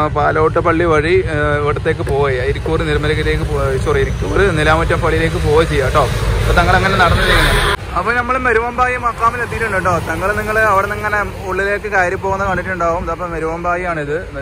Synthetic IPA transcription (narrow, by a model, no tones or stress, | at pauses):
paːlɐːʈːɐpɐɭːiʋɐɻiʋeʈːɐt̪ːe̞ːkːɨpo̞ːjɐɐjiɾikʲːuːriniɾmɐlɐɣɐleːk̬ːɨt͡ɕurijiɾikʲːuɾɨnilaːmɐtːɐmpɐɭːile̞ːk̬ːɨpoːjɐt͡ɕejːaːʈo̞ːɐpot̪ɐŋːɐɭeŋːɐnenɐɽɐnːiejɐnːɐ | ɐpːɐːnɐmːɐɭmɐɾuʋɐmbaːjɐmaːkːaːmilet̪ːiʈːuɳɖɐʈːo̞ːt̪ɐŋːɐɭniŋːɐɭɐʋiɽenɐŋːɐne | uɭːile̞ːkːɨkaːɾjɐmpːoːɣunːɐkaːɳːiʈːuɳɖaːɣumðɐpːɐmɐɾuʋɐmbaːjimaːɳiðɨn